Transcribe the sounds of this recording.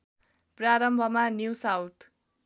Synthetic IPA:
praɾʌmbʱʌmanjusawtʰ

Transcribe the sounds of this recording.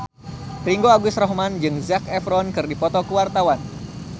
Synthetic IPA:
riŋɡoaɡʊsrɔɦmand͡ʒɨŋzakɛfɾɔnkɨrdipɔt̪ɔkəwart̪awan

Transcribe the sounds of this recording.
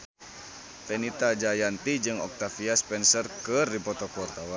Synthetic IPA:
fɛnit̪ad͡ʒajant̪id͡ʒɨŋɔk̚t̪afiaspɛnsərkərdipɔt̪ɔkɔrt̪awa

